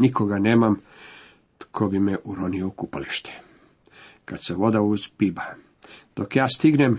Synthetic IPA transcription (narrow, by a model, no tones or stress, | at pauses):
nikoɡaneːmam | t̪kʰobimeʔuɾoniokupaliʃt̪e̥ | kad̪seʋo̞d̪auzpiba | d̪̥o̞kjaːst̪iɡnem